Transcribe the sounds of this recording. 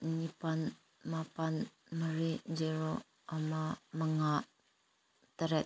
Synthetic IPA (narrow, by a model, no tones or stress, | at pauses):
ɲipan | mapan | məɾid͡ʒiɾo | amaməŋa | t̪əɾɛ